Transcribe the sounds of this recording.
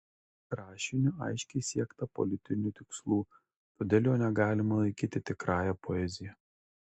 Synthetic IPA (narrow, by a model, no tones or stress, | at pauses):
kɾɑːʃʲɪnʲʊɐ̰ɪʃʲkʲɛɪsʲiɛkt̪ɐpɔ̰lʲɪt̪ʲɪnʲuːt̪ʲɪkslˠuː | t̪oːd̪ʲeːlˠjoːnʲɛɡɑːlʲɪmɐlˠɐɪkʲiːt̪ʲɪt̪ʲɪkɾɑːjɛpɔɛzʲɪjɛ